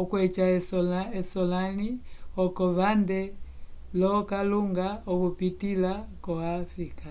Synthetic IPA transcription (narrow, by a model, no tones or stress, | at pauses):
ɔkwɛt͡ʃaɛsɔlaɛsɔlaniɔkɔβandɛ | lɔkaluŋɡaɔβupitilakɔafɾika